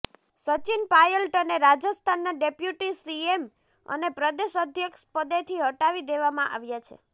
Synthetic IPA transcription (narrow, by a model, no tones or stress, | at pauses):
sət͡ʃinpajəlʈəneɾad͡ʒəst̪ʰanːaɖepjuʈisiem | ə̰nepɾəd̪eʃəd̪ʱjəkʃpəd̪et̪ʰiɦəʈaʋid̪eʋamãʔa̰ʋjat͡ʃʰḛ